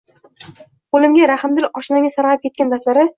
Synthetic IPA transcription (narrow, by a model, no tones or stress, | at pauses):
bolɪmɡʲaɾahɪmd̪ɪlɒʃnaɡʲasaɾʁɑɪp̚kʰʲet̪kʲand̪aslaɾɪ